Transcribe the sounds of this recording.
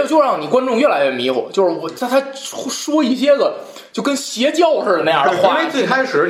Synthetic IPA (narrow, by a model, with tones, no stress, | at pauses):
t͡ɕjo˥˧ʊɻɑ˥˩ŋni˨˩kwa˥nʈ͡ʂʊ˥˧ŋɥɛ˥˩la˧˥ɥɛ˥˩mi˧˥xɔ̰˨˩˦t͡ɕjo˥˧ʊʂɻ̩˥˩wɔ˨˩t͡sʰa˥˧t̪ʰa˥ʂwɔ˥i˥˩ɕ̬jɛ˥d̪ə˨ | t͡ɕjo˥˩ʊkə˥nɕjɛ˧˥t͡ɕjɑ˥˧ʊʂɻ̩˥˧˩na˥˧j̰wa˥˧we˥˩ɪkʰa˥ɪʂɻ̩˧˥